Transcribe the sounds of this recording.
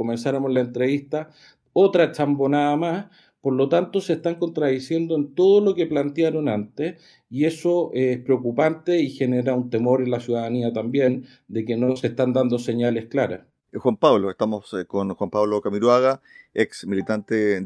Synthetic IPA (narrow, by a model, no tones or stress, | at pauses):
kome̞nsaɾamolaent̪ɾeβiht̪a | ot̪ɾat͡ʃambo̞naðamas | po̞ɾlot̪ant̪oseht̪aŋko̞nt̪ɾaðisje̞nd̪oent̪o̞ð̞olo̞keplant̪jaɾo̞nant̪es | ie̞soʔehpɾeokupant̪eixe̞neɾaunt̪e̞mo̞ɾe̞nlasjuðaðaniat̪ambje̞n | d̪e̞keno̞seht̪and̪and̪o̞seɲale̞hklaɾa̰s | xwampaβloest̪amoskonxwampaβlokamiɾwaɣaeksmilit̪ant̪e